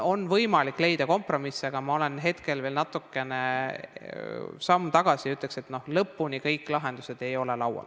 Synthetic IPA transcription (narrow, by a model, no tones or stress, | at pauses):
o̞nvɤjmɑlikːˑle̞jd̪̥ɑko̞mpro̞miseɡ̥ɑmɑole̞nɦe̞t̪ke̞lvelnɑt̪ːukːˑe̞ne̞ | sɑmːt̪ɑɡ̥ɑsiyt̪ːˑlekse̞t̪no̞hlɤpːˑunikɤjkːˑlɑɦe̞nd̪̥use̞d̪̥e̞jo̞le̞lɑwɑ̰l